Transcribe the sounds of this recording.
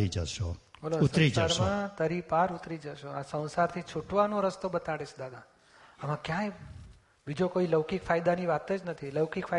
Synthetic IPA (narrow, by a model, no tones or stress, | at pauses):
id͡ʒəʃo | bəlousəɾ̃isd͡ʒaɾmãt̪əɾipaɾut̪ɾid͡ʒəʃoasə̃w̃saɾt̪ʰit͡ʃʰuʈʋanõɾəst̪obət̪aɽeʃʰd̪ad̪a | amãkjãe | bid͡ʒokoiləʋkikfʰajd̪aniʋat̪ed͡ʒnət̪ʰiləʋkikfʰa